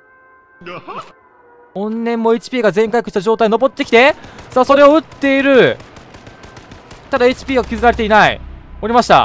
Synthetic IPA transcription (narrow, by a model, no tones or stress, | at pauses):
õ̞nnẽ̞mːo̞et͡ɕi̥pʲiːɡazẽ̞ŋkajikɯ̟ɕi̥t̪aʑd͡ʑo̞ːt̪ainobo̞t̪ːe̞kʲi̥t̪e̞saːso̞ɾe̞o̞ɯ̟t̪ːe̞iɾɯ̟ | t̪ad̪ae̞t͡ɕi̥pʲiːɡakʲizɨɾaɾe̞t̪e̞inaḭo̞ɾʲimaɕi̥t̪a̰